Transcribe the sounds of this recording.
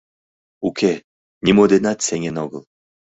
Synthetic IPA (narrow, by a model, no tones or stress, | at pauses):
ukʰe | nʲimod̪enat̪seŋenɔɣɤlˠ